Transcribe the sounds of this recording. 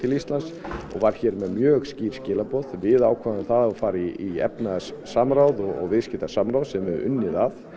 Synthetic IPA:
t̪ʰɪlist̪lansɔ̰ɣvaɾ̥çɛːɾmɛðmjœːɣsciːɾ̥scɪːlapɔðvɪðaːwkʰvavɪθaðafaːɾɪiɛ̰pnasːamɾaːwðɔɔ̰ɣvɪðscɪt̪asamɾawðsɛmvɪðʏ̰nːɪðað

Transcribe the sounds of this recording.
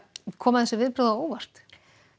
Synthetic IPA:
kʰɔːmaθɛsʏvɪðpɾowðaoːwvar̥t̪

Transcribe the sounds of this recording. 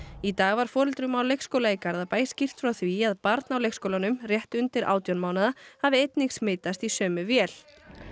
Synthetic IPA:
it̪aːɣvaɾ̥fɔːɾɪlt̪ɾʏmawlejxskoːwlaikaɾðapaːjsci̥t̪fɾawθviaðpaɾt̪nawlejxkskowlanʏmrjɛht̪ʏnt̪ɪɾʔa̰ːwt̪jɔnmaːwnaðahavɪejt̪niŋksmɪːjt̪ast̪isœːmʏvjɛːl̥

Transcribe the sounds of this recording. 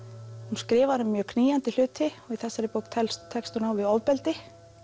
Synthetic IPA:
hunskɾɪːvaɾʏmːjœːkʰniːjant̪ɪl̥ʏːt̪ʰɪɔɣiθɛsːaɾɪpoːwkt̪ʰɛlstt̪ʰːɛkst̪ʏnawvɪðɔvpɛlt̪ɪ

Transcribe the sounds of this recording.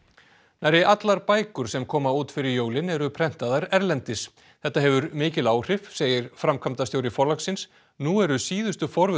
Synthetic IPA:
najɾɪʔat̪laɾpaːjkʏɾ̥sɛmkʰɔːmauːt̪fɪɾɪɾjoːwlɪnɛɾʏpʰɾɛn̥t̪aðaɾɛɾlɛnt̪ɪs | θɛht̪ːaɦɛvʏɾmɪːcɪlaːwr̥ɪfseːjɪɾ̥fɾamkʰamt̪ast̪jowɾɪfɔɾlaksɪns | nuɛɾʏsiːðʏst̪ʏfɔɾvʏ

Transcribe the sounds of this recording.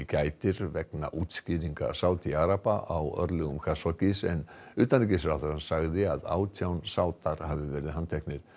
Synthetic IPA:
caːjt̪ɪɾvɛkna̰ʔuːt̪sciðiŋka̰saːwt̪iaɾapaʔawœ̰ɾlɛɣʏmkʰasɔcɪsɛnʏːt̪anic̬ɪsɾawðʏɾhansaɣðɪaða̰ːwt̪ʰjawnsaːwt̪aɾ̥havɪvɛːɾɪðɦanːt̪ʰɛhknɪɾ̥

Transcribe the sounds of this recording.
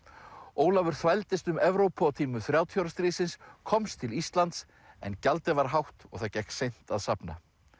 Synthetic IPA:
oːwlavʏɾ̥θvajlt̪ɪst̪ʏmɛvɾowpʰɔt̪ʰiːmʏθɾjaːwt̪ʰjawɾast̪ɾiːsɪnskʰɔmst̪ʰɪlist̪lant̪s | ɛ̰ncalt̪ɪvaɾ̥ɦawht̪ɔ̰ɣθacɛjksejn̥t̪aðsapna̰

